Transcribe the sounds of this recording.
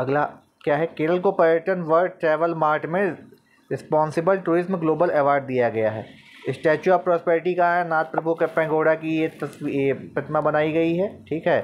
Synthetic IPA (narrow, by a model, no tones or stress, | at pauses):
ɐɡla | kjaːɦɛkeːɾəlkopɐɾjəʈənʋəɾʈɾɛːʋəlmaːɾʈmẽ | ɾɪspɔ̃ːnsɪbəlʈuːɾɪzmɡloːbəlɛːʋaːɾɖ̚d̪ijaɡɐjaɦɛ̰ː | ɪsʈɛːt͡ʃuapɾɔːspɛːɾɪʈikaɦɛnaːt̪̚pɾɐbʱukepɛ̃ːŋɡoːɽakijet̪ɐspɪt̪mabɐnaːiɡɐiɦɛːʈʰiːkɦɛː